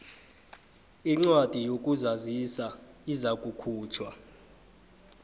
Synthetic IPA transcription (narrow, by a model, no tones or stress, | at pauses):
iŋ͡ǀwad̥ʼʱijokʼuzazisaizakʼukʰuːt͡ʃʰwa